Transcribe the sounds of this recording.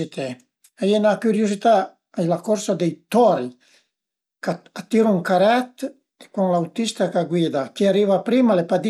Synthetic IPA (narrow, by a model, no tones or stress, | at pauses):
it̪e | ajenakuɾjuzit̪a | ajlakɔɾsad̪ejt̪ɔɾi | kaat̪ːiɾuŋkaɾat̪ | ekuŋlawt̪ist̪akaɡwid̪ak̟iaɾivapɾimalepad̪i